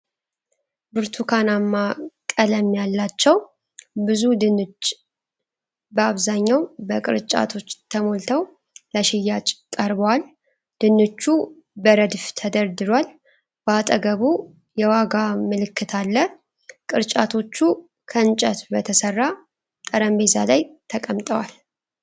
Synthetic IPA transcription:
bɨɾt̪ʰukʰanamːakʼələmjalːat͡ʃːɛw | bɨzud̪ɨnɨt͡ʃː | bəaβzaɲːawbəkʼɨ̰ɾt͡ʃʼa̰t̪ʰo̞t͡ʃːt̪ʰəmo̞lt̪ʰəw | ləʃɪjːat͡ʃʼk̪ʼəɾbəwal | d̪̥ɨnːɨt͡ʃːu | bəɾəd̪ft̪ʰəd̪əɾd̪ɨɾwal | b̥əat̪ʼəɡəβu | jɛwaɡamɨlɨkːɨt̪ʰalːə | kʼɨɾt͡ʃʼat̪ʰo̞t͡ʃːu | kʰəɨnt͡ʃʼət̪bət̪ʰəsərːa | t̪ʼəɾəmbe̞za̰lajt̪ʰəkʼəmt̪ʼəwal

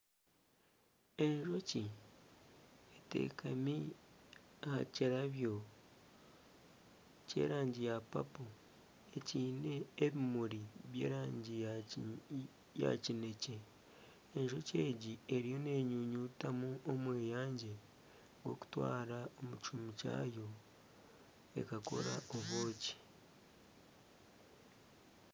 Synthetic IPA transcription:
e̞ɲʒo̞ci | ete̞̰ːkʰami | ahaciɾaβjo̞ | ce̞̰ːɾaːɲɟijapa̰po | e̞ciːne̞ːβimuɾiβje̞̰ːɾaːɲɟi | ja̰cine̞ce̞ | eɲʒo̞ce̞ːɟie̞ɾijo̞ne̞ɲuɲutamuʔomwe̞ːjaːɲɟe̞ | ɡwo̞̰ku̥twa̰ːɾaomucumuca̰jo̞ | e̞̰kako̞̰ɾaoβo̞ːci̥

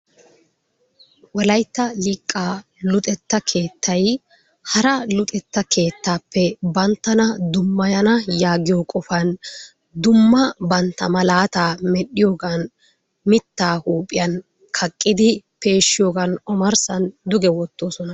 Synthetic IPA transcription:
wɔlɐjt̪ːɐlɪːkʼːaː | lʊt̪ʼɛt̪ːɐkʰe̞ːt̪ʰːɐj | hɐɾɐlʊt̪ʼɛt̪ːɐkʰe̞ːt̪ːaːpːɛbɐnt̪ːɐnɐd̪ʊmːɐjɐnɐjaːɡɪjokʼɔfɐn | d̪ʊmːɐbɐnt̪ːɐmɐlaːt̪aːmɛɗɪjoːɡɐn | mɪt̪ːaːhuːpʼɪjɐn | kʰɐkʼːɪd̪ɪpe̞ːʃːɪjoːɡɐnɔmɐɾsɐnd̪ʊɡɛwɔt̪ːo̞ːsɔnɐ

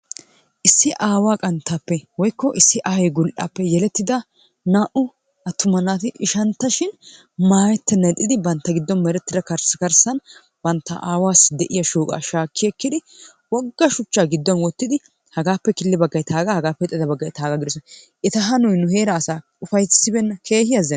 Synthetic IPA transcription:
ʔɪsːɪʔaːwaːkʼɐnt̪ʰːaːpːɛwɔjkːɔʔɪsːɪʔahɛjɡʊlʔa̰ːpːɛjɛlɛt̪ːɪd̪ɐ | naːʔʊ | ʔɐt̪ːʊmɐnːaːt̪ɪʔɪʃɐnt̪ːɐʃɪn | maːjɛt̪ːɛnɛt̪ʼːɪd̪ɪbɐnt̪ːɐɡɪd̪ːɔnmɛɾɛt̪ːɪd̪ɐkɐɾskɐɾsɐn | bɐnt̪ːɐ̰ʔaːwaːsd̪ɛʔɪjɐʃuːkʼa̰ːʃaːkʰːɪɛkːɪd̪ɪ | wɔɡːɐʃʊt͡ʃːaːɡɪd̪ːɔnwɔt̪ːɪd̪ɪ | hɐɡaːpːɛkɪlːɪbɐɡːɐjt̪ʰaːɡɐhɐɡaːpːɛt̪ʼːɪd̪ɐbɐɡːɐjt̪aːɡɐɡɪd̪ɔsɔn | ʔɛt̪ɐɦɐnʊjnʊheːɾɐːsaː | ʊfɐjsːɪbɛnːɐkʰe̞ːhɪjɐzɛ

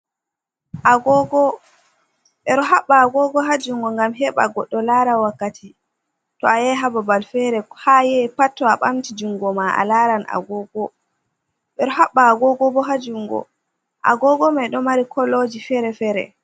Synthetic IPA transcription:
ʔaɡɔɡɔ | ɓɛɾɔɦaɓːaːɡɔɡɔɦad͡ʒuŋɡɔŋɡamɦɛɓa̰ɡɔɗːɔlaɾawakːatʰi | tɔajɛɦababalfɛɾɛhajɛpatːɔaɓamtid͡ʒuŋɡɔmaʔa̰laɾanʔa̰ɡɔɡɔ | ɓɛɾɔɦaɓːaːɡɔɡɔbɔɦad͡ʒuŋɡɔ̰ | ʔa̰ɡɔɡɔmɛɗɔmaɾikʰɔlːod͡ʒifɛɾɛfɛɾɛ̰

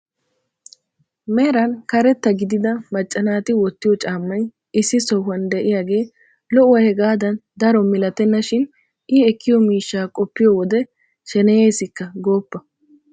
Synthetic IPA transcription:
meːɾɐnkɐɾɛt̪ːɐɡɪd̪ɪd̪ɐmɐt͡ʃʼːɐnaːt̪ɪwɔt̪ːɪjɔt͡ʃʼaːmːɐj | ɪsːɪsɔɦɐnd̪ɛʔɪjaːɡe̞ː | lɔʔʊwɐhɛɡaːd̪ɐnd̪ɐɾɔmɪlɐt̪ɛnːɐʃɪn | ʔɪɛkːɪjɔmiːʃːaːkʼɔpːɪjɔwɔd̪ɛ | ʃɛnɛjeːsɪkːɐɡo̞ːpːɐ

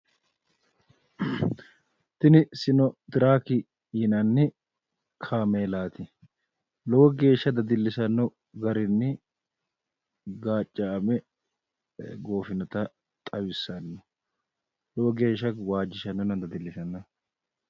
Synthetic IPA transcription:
t̪ɪnɪsɪnɔd̪ɪɾaːkɪ | iːnɐnːɪ | kʰaːmeːlaːt̪ɪ | lɔwɔɡe̞ːʃːɐd̪ɐd̪ɪlːɪsɐnːɔ | ɡɐɾɪnːɪ | ɡaːt͡ʃʼːaːmɛ | ɡo̞ːfɪnɔt̪ɐ | t̪ʼɐwɪsɐnːʊ̥ | lɔwɔɡe̞ːʃːɐwaːd͡ʒːɪʃɐnːɔnɐnd̪ɐd̪ɪlːɪsɐnːɐ

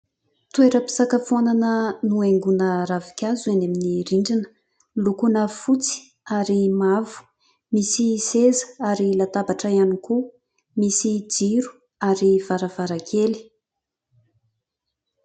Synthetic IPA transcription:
t̪ueɾəpi̥sakəfonanənueŋɡunəɾavi̥kʲazuaneminiɾiɳɖ͡ʐinə̥ | lukunəfut͡si̥ | aɾimavu̥ | misisezəaɾilat̪abaʈ͡ʂəianiku | misid͡ʒiɾu̥ | aɾiv̥aɾəvaɾakʰeli̥

